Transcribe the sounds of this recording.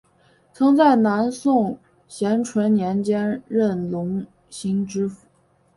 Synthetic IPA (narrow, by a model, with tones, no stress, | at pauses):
t͡sʰɤ˧˥ŋt͡sa˥˩ɪna˧˥nsʊ˥˩ŋ | ɕjɛ˧˥nʈ͡ʂʰwə˧˥nnjɛ˧˥nt͡ɕjɛ˥nɻə˥˩nlʊ˧˥ŋ | ɕi˥ŋʈ͡ʂɻ̩˥fu̥˨˩